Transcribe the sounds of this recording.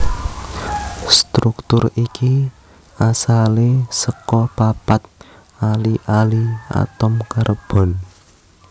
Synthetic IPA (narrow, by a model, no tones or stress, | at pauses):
st̪ɾukt̪ʊriki | ʔasalesəkɔpapat̪̚ | aliʔalia̰t̪ɔmkarəb̥ɔ̤n